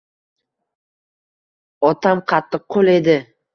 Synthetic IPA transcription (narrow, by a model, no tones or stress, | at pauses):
ɒt̪ʰamqʰɑt̪ːɨqqʰːole̞d̪ɪ